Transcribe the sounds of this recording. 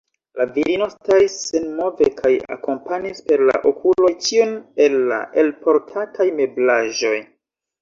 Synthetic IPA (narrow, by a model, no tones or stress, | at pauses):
laviɾino̞staisːenmo̞vekʰaja̰ko̞mpanispe̞ɾla̰ʔokulo̞jt͡ʃiunelːa̰ʔelpo̞ɾtʰatʰajme̞blaʒo̞j